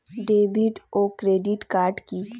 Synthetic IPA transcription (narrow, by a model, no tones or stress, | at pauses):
ɖeːbɪɖoːkɾeːɖɪʈkaːɾɖki